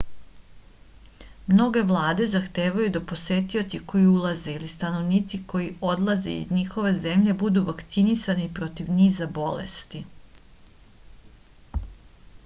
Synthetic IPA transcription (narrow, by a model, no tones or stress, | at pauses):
mno̞ɡe̞ʋlˠaːd̪e̞zaxt̪eːʋajud̪apo̞se̞t̪io̞t͡ʃ̪iko̞jiulˠaze̞ilist̪ano̞ʋniːt̪siko̞jio̞d̪lˠazḛḭzɲixo̞ʋe̞ze̞mʎe̞bud̪uʋakt̪sinisanipɾo̞t̪iʋniːzabo̞lḛst̪i